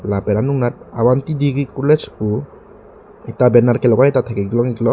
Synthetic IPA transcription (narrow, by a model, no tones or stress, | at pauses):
lapɛɾanuŋat̪̚awant̪idiɾikulɛt͡ʃpu | it̪abɛnarkɛlɔkait̪at̪ʰakɛɡlɔŋiɡlɔ